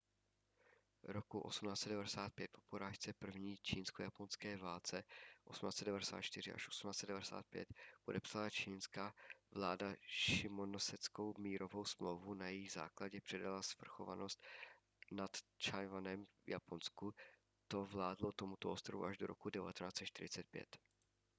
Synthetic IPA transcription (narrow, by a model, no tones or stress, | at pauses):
ɾokuʔosumnaːtt͡sɛdɛvadɛsaːt̪̚pjɛt̪̚popoɾaːʃt͡sɛpr̩vɲiːt͡ʃiːnskojaponskɛːvaːlt͡sɛʔo̞sumnaːt͡sɛdɛvadɛsa̰ːt̪t͡ʃt̪ɪr̝ɪ̰ʔa̰ʃʔo̥su̥mnaːst͡sɛdɛvaɾɛsa̰ːt̪̚pjɛ̰t̪podɛpsalat͡ʃiːnskavlaːdaʃɪmonosɛt͡sko̞wmiːɾo̞vo̞wsmlowvunajɛjiɣza̰ːklaɟɛpr̥ɛdalasfr̩xo̞vano̞st̪ | nat̪t͡ʃajvanɛmvja̰ponsku | t̪o̞vlaːdlot̪o̞mut̪oʔost̪ɾovṵʔaʒdoɾo̞̰kudɛva̰t̪ɛnaːt͡sɛt̪t͡ʃt̪ɪɾɪt͡sɛt̪̚pjɛ̰t̪